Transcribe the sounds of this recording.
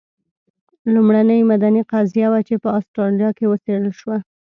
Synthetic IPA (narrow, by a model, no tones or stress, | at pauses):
lumɽanəjmad̪aniqazijawat͡ʃepəɑst̪ɾɑlijɑkewəseɽəlʃwa